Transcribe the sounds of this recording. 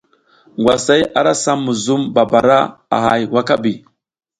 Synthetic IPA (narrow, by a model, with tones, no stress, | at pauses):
ŋɡwa˨sa˦ja˨ɾa˦sa˦mːu˨zu˦mba˨ba˨ɾa̰˦a̰˨ɦa̰˨jwa˦ka˦bi˨